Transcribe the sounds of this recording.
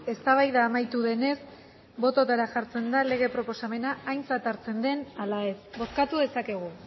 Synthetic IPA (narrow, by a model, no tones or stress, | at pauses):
e̞st̪aβ̞ajðaːmajt̪uðe̞ne̞s | bo̞t̪o̞t̪aɾaʝaɾt͡se̞nd̪ale̞ɣ̞e̞pɾo̞po̞same̞naːjnt͡sat̪aɾt͡se̞nd̪e̞nalae̞sbo̞skat̪uðe̞sake̞ɣ̞u